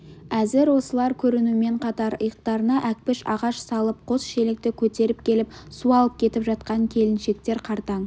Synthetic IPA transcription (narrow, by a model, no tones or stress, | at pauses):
æzɪɾwo̞səlˠɑɾkʲʰɵɾɪnume̞ɴqʰɑt̪ɑɾəjəq̚t̪ɑɾənɑʔæk̚pɪʃɑʁɑʃsɑlˠəp̚qʰo̞sʃe̞lek̚t̪ɪkʲʰɵt̪e̞ɾɪp̚kʲʰe̞lɪpsuɑlˠəp̚kʲʰe̞t̪ɪpʒɑt̪qɑŋkʲʰe̞lɪnʃe̞k̚t̪e̞ɾqʰɑɾt̪ɑɴ